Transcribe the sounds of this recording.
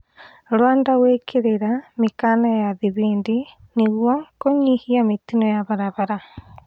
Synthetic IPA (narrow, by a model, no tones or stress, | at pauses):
ɾoaːndawekʰeɾeɾamikanajaðiβeːndi | niɣwɔkoɲihiamet̪inojaβaɾaβaɾa